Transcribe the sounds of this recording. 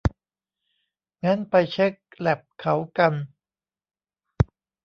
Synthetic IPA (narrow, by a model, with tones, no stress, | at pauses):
ŋa˦˥npa˧jt͡ɕʰe˦˥k̚lɛ˨˩p̚kʰa˩˦wka˧n